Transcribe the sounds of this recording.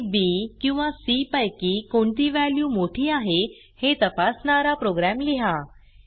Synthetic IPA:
bikĩw̃ʋasipəjkiːkoɳt̪iːʋæljuːmoʈʰiːaɦe | het̪əpasɳaɾapɾoɡɾæmliɦa

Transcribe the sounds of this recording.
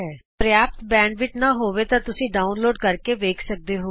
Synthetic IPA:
ɛːpɾəjaːp̚t̪bɛ̃ːɳɖʋɪt͡ʃnãːɦoːʋeːt̪ãːt̪ʊsĩːɖaːʊnloːɖkəɾkeːʋeːkʰsək̚d̪eːɦoː

